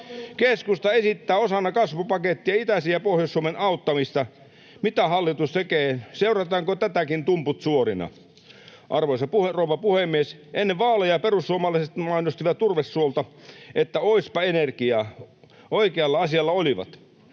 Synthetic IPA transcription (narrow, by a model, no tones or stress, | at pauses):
keskust̪ɑesit̪ːæːosɑnːɑkɑsʋupɑket̪ːiɑit̪æsiæpohjosːuomenɑut̪ːɑmist̪ɑ | mit̪æhɑlːit̪ust̪ekeːseurɑt̪ɑːŋkot̪æt̪ækint̪umput̪suorinɑ̰ | ʔɑrʋoisɑpuherouʋɑpuhemːiesʔenːeʋʋɑːlejɑperusːuomɑlɑiset̪mɑinost̪iʋɑt̪t̪urʋesːuolt̪ɑet̪ːæoispɑenerkiɑː | oikeɑlːɑɑsiɑlːɑoliʋɑ̰t̪